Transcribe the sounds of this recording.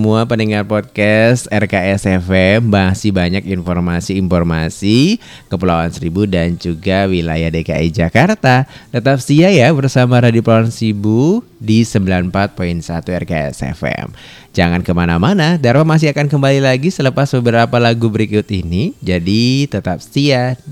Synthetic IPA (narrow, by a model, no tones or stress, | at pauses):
əmuapənəŋarpɔt̪̚kɛst̪ɛrkaɛsɛfɛmbasibaɲakinfɔrmasiːnfɔrma̰si | kəpəlawansəɾibudand͡ʒuɡawilajahdeka̰ʔid͡ʒakart̪at̪ət̪ap̚siajabərsamaɾadipulawansɾibudisəmbilanpat̪̚poinsat̪uɛrkaɛ̰sɛ̰fɛ̰m | d͡ʒaŋankəmanamanadaɾwamas̬ɪakankəmbalilaɡisələpasbəbəɾapalaɡubəɾikʊt̪inid͡ʒadit̪ət̪ap̚sia